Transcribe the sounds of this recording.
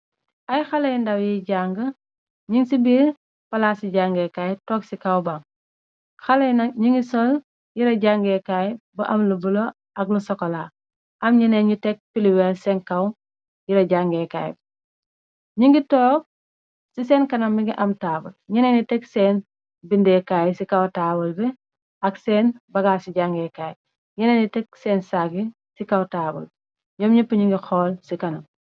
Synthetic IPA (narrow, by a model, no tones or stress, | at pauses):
ʔɐjxɐlɐjndɐwjiɟaŋɡə | ɲiŋsibiːɾ | pɐlaːsiɟaːŋɡɛkajtɔːksikɐwbaŋ | xɐlɐjnɐɲiŋɡisɔl | jiɾɐɟaŋɡɛkaj̚bɐʔɐmlubulo | ʔɐɡ̚lusɔkɔlaː | ʔɐmɲinɛɲitɛk̚piliwɛlsɛŋkɐw | jiɾɐɟaŋɡɛkaːjb̚ | ɲiŋɡitɔːk̚ | siseːnkɐnɐmːiŋɡiʔamtaːbulɲinenitɛksen | bindɛkaːjsikawtaːbulbe | aksenbɐɡaːsiɟaŋɡekaːjib̚ | ɲɛneːnitek̚seːnsaɡi | sikawtaːbṵl | ɲɔmɲipuɲiŋɡixɔːlsikɐnɐm